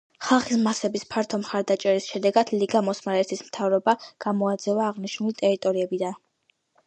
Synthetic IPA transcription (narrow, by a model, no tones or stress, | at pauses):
χalˠχismasɛbispʰaɾt̪ʰɔmχaɾd̪at͡ʃʼɛɾisʃɛd̪ɛɡad̪̥liɡamɔsmaɾɛt̪ʰismt̪ʰavɾɔbaɡ̥amɔad̪zɛvaːʁniʃnulit̪ʼɛɾit̪ʼɔɾiɛbid̪an